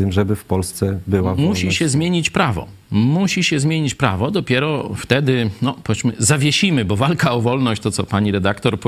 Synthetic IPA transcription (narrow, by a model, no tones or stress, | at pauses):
t̪ɘmʐɛbɘfpɔlst̪sɛbɘwavmuɕiɕɛzmʲjeɲit͡ɕpɾavɔ̰ | muɕiɕɛzmʲjeɲit͡ɕpɾa̰vɔd̪ɔpʲjɛɾɔft̪ɛd̪ɘnɔpɔɛsmɘzavʲjeɕimɘbɔvalkaɔvɔlnɔɕt͡ɕt̪ɔt̪sɔpaɲiɾɛd̪akt̪ɔɾp